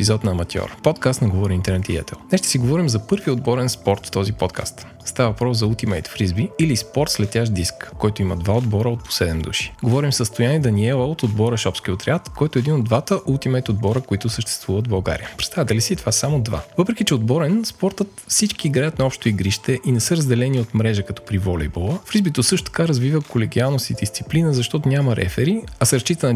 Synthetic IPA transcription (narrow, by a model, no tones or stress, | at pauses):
ɛpizɔt̪nɐːmɐt̪ʲjɔ̰ɾpɔt̪kast̪nɐɡovɔɾiint̪ɛɾnɛt̪iɛ̰t̪ɛ̰lˠnɛʃt̪ə̥siɡovɔɾimzɐpɤɾviod̪bɔɾɛnspɔɾt̪ft̪ɔzipɔt̪ka̰st̪ | st̪avɐvɐpɾɔszɐulˠt̪imɛjt̪fɾizbiːlispɔɾt̪slɛt̪ʲjaʃd̪iskːɔjt̪ʊimɐ̰d̪vaod̪bɔɾəot̪̚po̥sɛd̪ɛmd̪ṵʃi̥ɡovɔɾimsəst̪ʊjaniɛd̪ɐniɛlˠəot̪od̪bɔɾəʃɔpsk̟iot̪ɾɛat̪kɔjt̪ʊɛd̪inod̪vat̪əʔulˠt̪imɛt̪od̪̚bɔɾəkoit̪ʊsəʃt̪ɛ̥st̪v̥uvət̪vbɐlˠɡa̰ɾḭjəpɾɛt̪st̪avʲət̪əlisit̪ovasamod̪va̰vɤpɾɛkit͡ʃɛod̪bɔɾɛnspɔɾt̪ət̪fsit͡ʃkiːɡɾajət̪nɐɔpʃt̪oiɡɾiʃt̪ɛʔinɛsɤɾəzd̪ɛlɛniot̪mɾɛʒəkɐt̪ɔ̥pɾivolɛ̰jbolˠəfɾizbit̪osɤʃt̪ot̪ɐ̥kaɾɐzvivəkolɛɡʲialˠnost̪id̪ist̪si̥plinəzɐʃt̪ɔt̪onʲamɐɾʔɛ̰fɛɾiɐsɾt͡ʃit̪ən